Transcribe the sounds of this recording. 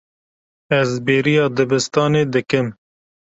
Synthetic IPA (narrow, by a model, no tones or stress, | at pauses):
ɛzbeːɾijɑːd̪ɨbɨst̪ɑːneːd̪ɨkɨm